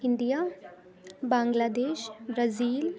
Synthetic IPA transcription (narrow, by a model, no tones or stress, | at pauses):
ɪnd̪ijaː | bãːŋɡlaːd̪eːʃbɾaziːl